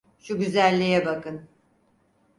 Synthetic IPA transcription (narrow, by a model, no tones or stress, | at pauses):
ʃuɟyzælʲːejɛbakɯn